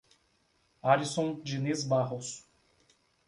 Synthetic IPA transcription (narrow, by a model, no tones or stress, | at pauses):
aɾisõd͡ʒinizbaɦos